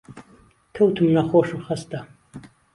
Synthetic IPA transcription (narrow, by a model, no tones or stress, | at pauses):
tʰɐwtʰɨmnaχʷɔʂɨχɐst̪ʰʼa